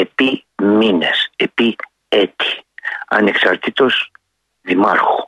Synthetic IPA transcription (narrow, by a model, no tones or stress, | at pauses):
e̞pimine̞se̞pi | et̪i̥ɐ̰ne̞ksɐɾt̪it̪o̞s | ðimɐɾxu̥